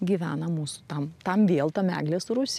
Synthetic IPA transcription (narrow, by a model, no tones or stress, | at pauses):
ɡʲiʋʲæːnɐmuːsʊ̥t̪ɐmt̪ɐmʋʲeːlˠt̪ɐmʲæ̰ːɡlʲeːsʊɾʊsʲ